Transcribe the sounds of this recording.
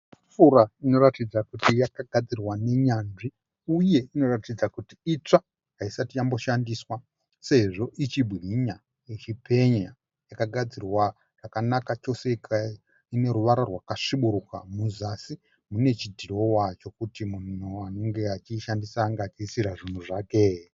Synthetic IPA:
fuɾaino̞ratid͡zakutijakaɡʱad͡zirwane̞ɲanʐi | uje̞ino̞ratid͡zakutiit͡ʂa | ɦaisatijambo̞ʃandiːswa | se̞ʐo̞ʔit͡ʃibʱiɲa | jet͡ʃipʰe̞ɲa | jakaɡʱad͡zirwa | rakanakat͡ʃo̞se̞ika | ine̞ɾuʋaɾarwakaʂiɓuɾuka̰muzasi | mune̞t͡ʃidʱiro̞wat͡ʃo̞kutimun̤uano̞ŋɡe̞at͡ʃiʃandisaːŋɡaːt͡ʃiːsiɾaʐin̤uʐaːke

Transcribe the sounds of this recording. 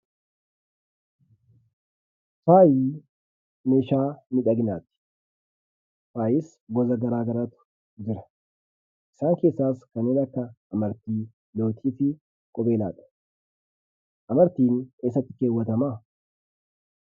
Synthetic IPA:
faːji | me̞ːʃaːnɪᶑɐɡɪna̰ːt̪ɪ̥ | faːjɪs | ɡɔzɐɡɐɾaːɡɐɾat̪ʊ̥ | d͡ʒɪɾɐ̥ | ʔɪsaːŋke̞ːsːaːskɐneːnɐkːɐːmɐɾt̪iː | lo̞ːt̪ʰiːfɪ | kʼɔbe̞ːla̰ːᶑɐ̥ | ʔɐmɐɾt̪iːneːs̬ːɐt̪ːɪkeːwːɐt̪ɐmaː

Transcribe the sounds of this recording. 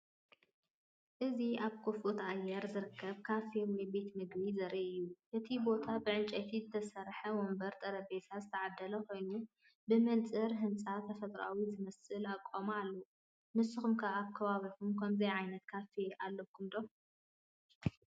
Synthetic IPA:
ʔɨziʔaβkʰufʔut̪ajːɛɾzɨɾɨkʰːɐβkʰafewɔjbe̞t̪mɨɡbizɐɾiʔɨjːuʔɨt̪ʰibo̞t̪ʰabɨʕɨnt͡ʃʼɐt̪ʰizɨt̪ʰɐsɐɾħɐwombɐɾt̪ʼɐɾɐbet̪ʰazɨt̪ʰɐʕad̪ːɐlɐko̞jnu | bɨmɨnt͡sʼɨɾɦɨnt͡sʼat̪ʰɐfɐt̪ʼɾa̰wizɨmɐsɨlakʼomalːo | mɨsɨxumkʰaaβkʰɐβaβikumkʰɐmzɐjʕajnɐt̪kʰafeʔalːɐkʰːumd̪o

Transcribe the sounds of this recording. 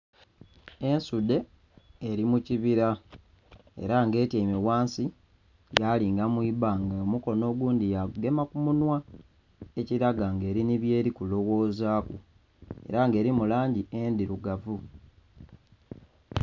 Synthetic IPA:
e̞nsude̞ː | ɾimuciβiɾa | e̞̰ɾaŋɡe̞ːtjaimiwaːnsi | jaːliːŋɡamwiːβaŋɡaomuko̞no̞ːɡwuːndijaɡe̞makumunwa | e̞ciɾaɡaŋɡe̞ːɾiniβje̞ːɾikulo̞wo̞ːzaːkṵ | e̞̰ɾaŋɡe̞ːɾimulaːɲɟiendiɾuɡavu

